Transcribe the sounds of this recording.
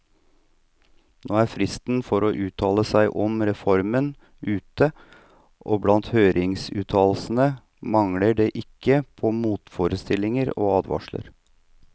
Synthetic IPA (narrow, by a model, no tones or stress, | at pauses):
noːæɾfɾɪst̪n̩fɔɾoːʔʉːt̪ʰɑːləsæɪʔɔmɾɛfɔɾmən | ʉːt̪ə | ʔoːblɑnt̪høːɾɪŋsʉ̰ːt̪ʰɑːlsn̩ə | mɑŋɽəɖeːʔɪkːəpʰɔmuːt̪foːɾəst̪ɪlɪŋəɾo̰ːɑːd̪ʋɑ̰ʂlə̰ɾ